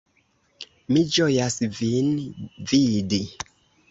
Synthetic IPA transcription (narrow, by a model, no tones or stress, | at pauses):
mid͡ʒojasvinvidi